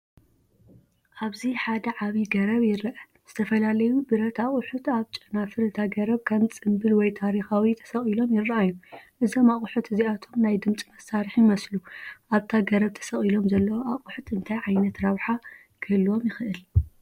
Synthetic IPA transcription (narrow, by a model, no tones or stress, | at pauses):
ʔaβziħad̪ɐʕaβiɡɐɾɐβjɪrːɐʔɐ | z̥ɨt̪ʰɐfɐlalɐjubɨɾɐt̪ʰaχʼʊħut̪aβt͡ʃʼɐnafɨɾɨt̪ʰaɡɐɾɐβkʰɐmt͡sʼɨmbɨlwɔjt̪ʰaɾixawit̪ʰɐ̥sɐχʼilo̞mjɪrːɐʔajːuʔɨzomaχʼuħut̪ɨziat̪ʰo̞mnajd̪ɨmt͡sʼmɐsːaɾiħjɪmɐsluʔaβt̪ʰaɡɐɾɐβt̪ʰɐ̥sɐχʼilo̞mzɐlːɐwoaχʼuħut̪ʔɨnt̪ʰajʕajnɐt̪ɾɐβħa | kʰɨlːuwo̞mjɪxɨʔɨl